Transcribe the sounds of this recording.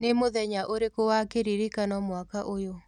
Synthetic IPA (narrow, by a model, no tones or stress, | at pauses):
nemoðɛɲaʔoɾekowakeɾiɾikanɔmwakaʔojo